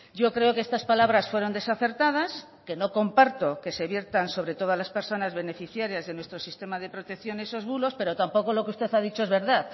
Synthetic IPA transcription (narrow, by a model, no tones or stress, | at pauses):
ɟ͡ʝo̞kɾe̞o̞keest̪aspalaβɾasfwe̞ɾo̞nd̪e̞saθe̞ɾt̪að̞as | ke̞no̞ko̞mpaɾt̪o̞ke̞se̞βje̞ɾt̪anso̞βɾe̞t̪o̞ðalaspe̞ɾso̞nazβe̞ne̞fiθjaɾjazðe̞nwe̞st̪ɾo̞sist̪e̞maðe̞pɾo̞t̪e̞kθjo̞neso̞zβulo̞spe̞ɾo̞t̪ampo̞ko̞lo̞keust̪e̞θað̞it͡ʃo̞ezβe̞ɾðaθ